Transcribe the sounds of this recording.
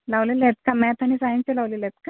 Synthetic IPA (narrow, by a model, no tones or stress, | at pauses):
laʋleləjet̪̚kamɛt̪ʰañisajimt͡ɕelaʋlelet̪̚ka